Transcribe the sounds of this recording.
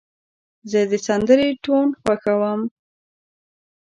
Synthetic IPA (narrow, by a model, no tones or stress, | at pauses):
zəd̪əsand̪əɾeʈonxwaxawəm